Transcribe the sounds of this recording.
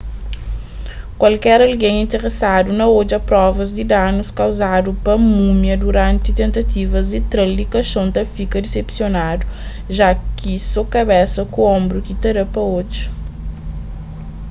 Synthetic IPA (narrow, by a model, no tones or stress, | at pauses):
kwɐlkɛɾɐlɡẽŋ̃ĩnt̪eʁesad̪unɐod͡ʒɐpɾɔvɐzd̪ɪd̪anuskawzad̪upɐmumjɐd̪uɾɐ̃nt̪it̪ẽnt̪ɐt̪ivɐzd̪it̪ɾɐld̪ikɐʃõnt̪ɐfikɐd̪esepsjonad̪u | ʒakisokɐbɛsɐkuõmbɾukit̪ɐɾɐpɐod͡ʒɐ